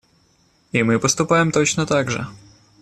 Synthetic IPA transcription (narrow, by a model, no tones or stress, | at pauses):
imɘpɔst̪upawɛmt̪ɔɕnɔt̪aɡʐɛ̰